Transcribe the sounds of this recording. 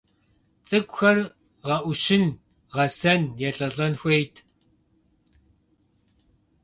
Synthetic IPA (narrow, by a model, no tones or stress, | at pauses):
t͡sʼɨkʷʼxɐr | ʁɐʔʷʊʃɪn | ʁɐsɐnjɛɬʼɐɮɐnxʷejtʰ